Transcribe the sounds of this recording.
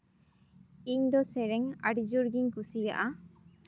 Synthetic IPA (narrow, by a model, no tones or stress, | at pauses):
iɲd̪ɔsɛɾɛŋa̰ɖid͡ʒuɾɡiɲkusija̰ʔa